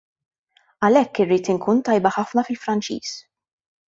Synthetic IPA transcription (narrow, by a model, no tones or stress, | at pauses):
ɐlɛkːɪrːiːt̪ɪŋkuːnt̪ɐjbɐħɐfnɐfɪlfɾɐnt͡ʃḭːs